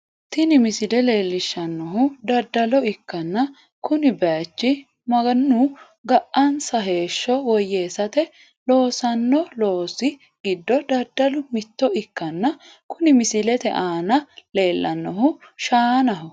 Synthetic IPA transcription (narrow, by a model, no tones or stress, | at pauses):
t̪ɪnɪmɪsɪlɛle̞ːlːɪʃːɐnːɔɦʊd̪ɐɾd̪ːɐlɔɪkːɐnːɐ | kʊnɪbaːt͡ʃːɪ | mɐɡɐnːu | ɡɐʔʔɐnsɐɦe̞ːʃːɔwɔjːeːsɐt̪ɛ | lo̞ːsɐnːɔlo̞ːsɪ | ɡɪd̪ːɔd̪ɐɾd̪ːɐlʊmɪt̪ːɔɪkːɐnːɐ | kʊnɪmɪsɪlɛt̪ɛ̰ʔaːnɐle̞ːlːɐnːɔɦʊʃaːnɐɦɔ